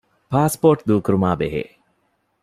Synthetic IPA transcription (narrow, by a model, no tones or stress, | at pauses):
paːspoːʈd̪uːkuɾumaːbeɦḛː